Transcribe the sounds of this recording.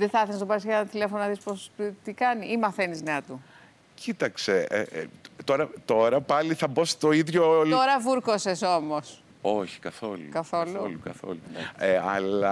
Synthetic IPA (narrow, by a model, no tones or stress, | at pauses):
ðeθɐθenist̪opɐɾsʝɐnɐt̪ile̞fononɐðispost̪ikɐniʔimɐθe̞nizneɐt̪u | cit̪ɐkse̞ḛt̪o̞ɾɐt̪o̞ɾɐpɐliθɐbost̪o̞iðʝot̪oɾɐvuɾkoseso̞mos | oçi̥kɐθo̞lṵkɐθolulukɐθo̰lueɐlɐ